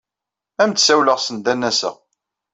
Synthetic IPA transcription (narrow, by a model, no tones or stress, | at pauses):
æmt̪ːsæwləʁsənd̪ænːæsə̰ʁ